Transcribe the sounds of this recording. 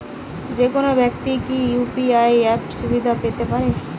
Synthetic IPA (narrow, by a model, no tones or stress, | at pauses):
d͡ʑekonobɛkt̪ikijupiajɛpʃubid̪ʱapet̪epaɾe